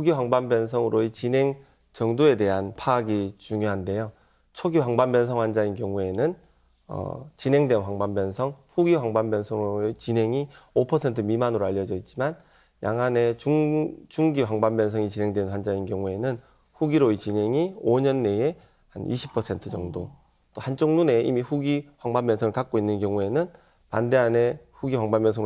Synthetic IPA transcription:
ɸuɡiɸwaŋbambjʌns̬ʰʌŋɯɾoet͡ɕine̞ŋ | t͡ɕʌŋdoe̞de̞ɦanpʰaːɡit͡ɕuŋjoɦande̞jo | t͡ɕʰoɡiwaŋbanbjʌnsʰʌŋwand͡ʑainkjʌŋue̞nɯn | ʌ̰t͡ɕine̞ŋdwenwaŋbambjʌnsʰʌŋɸuɡiɸwaŋbambjʌnsʰʌŋt͡ɕinɦe̞ŋiopʰʌsʰe̞ntʰɯmimanɯɾoaʎːʌd͡ʑʌit̚t͡ɕ͈iman | ja̰ŋɦane̞ut͡ɕuŋɡiwaŋbambjʌnsʰʌŋit͡ɕinɦeŋdwenɸwand͡ʑainkjʌŋue̞nɯn | ɸuɡiɾoit͡ɕinɦe̞ŋioɲʌnːe̞e | hanḭɕʰi̥pʰʌsʰe̞ntʰɯd͡ʑʌŋdo | t͈ohant͡ɕ͈ʰoŋnune̞imiɸuɡiɸwaŋbambjʌnsʰʌŋɯɭkak̚k͈oinːɯnkjʌŋue̞nɯn | pande̞ɦane̞ɸuɡiwaŋbamːjʌnsʰʌŋ

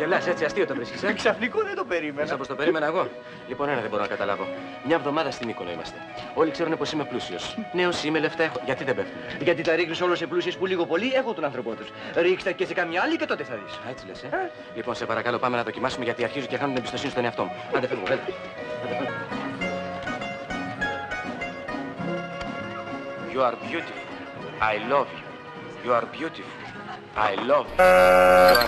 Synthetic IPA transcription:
evlɐset͡siɐst̪iot̪ovɾiskiseksɐfnikoðet̪opeɾimesɐpost̪ope̞ɾime̞nɐeɣo̞ | lipo̞nenɐðeboɾonɐkɐt̪ɐlɐvo̞ | mɲɐevðo̞mɐðɐst̪inikonoḭmɐ̰st̪e̞ | o̞likse̞ɾunepo̞sime̞plusio̞sne̞osimeleft̪ɐexoʝɐt̪iðebeft̪umeʝɐt̪iθɐɾixniso̞lose̞plus̬ie̞spuliɣo̞po̞liexot̪unɐnθɾo̞po̞t̪us | ɾikst̪ecesekɐmɲɐɐlice̞t̪o̞t̪eθɐðise̞t͡silese | lipo̞nsepɐɾɐkɐlo̞pɐme̞nɐðo̞cimɐsumeʝɐt̪iɐɾçizucexɐnunt̪inebist̪o̞sinist̪oneɐft̪o̞muθɐd̪efeovel | ɐd̪efen | pjoɐɾbʝut̪if | ɐjlovjo | pjuɐɾbjut̪if | ɐjlov

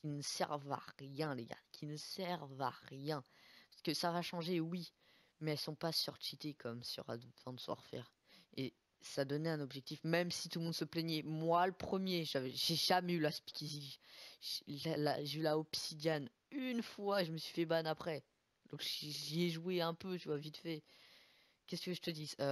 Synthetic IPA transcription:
kinəsɛ̰ʁva̰ʁjɛ̃leɡa̰kʲʰinəsɛʁva̰ʁjɛ̃pasə̥kəsavaʃɑ̃ʒewi | mɛɛlsɔ̃pasyʁt͡ʃit̪ekɔmsɔ̰ʁa̰d̪vɑ̃d̪əsəvwa̰ʁfɛ̰ːʁ | e | sad̪ɔnɛɛ̃nɔbʒɛk̚t̪ifmɛmsit̪ulmɔ̃d̪səplɛɲɛmwaləpχəmjeʒavɛʒeʒamɛylaspi̥kʲiziʒlala̰ʒeylaɔpsid̪jan | ynfwaeʒəməsɥifɛbanapχɛ | d̪̥ɔ̃kʒʒiɛʒueɛ̃pøt̪yvwavit̪fɛ | kʲɛskəʒət̪əd̪iø

